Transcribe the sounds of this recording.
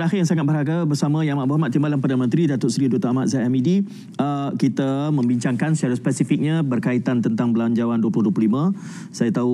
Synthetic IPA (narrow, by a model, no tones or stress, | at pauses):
əɾaxɪjaŋsaŋat̪̚bərɾɦaɡabərsamə̃jaamaʔ̚buɦamat̪̚ːimbalanpərdanəmənt̪ɾidat̪ʊʔsɾidot̪aamat̪̚zaamidi | əkit̪amə̃mbiɲt͡ʃaŋkansət͡ʃaɾat̪spɛsifik̚ɲãbərkait̪ant̪ənt̪aŋbəlaɲd͡ʒawanduəpluhduəplulimə̃ | sajat̪au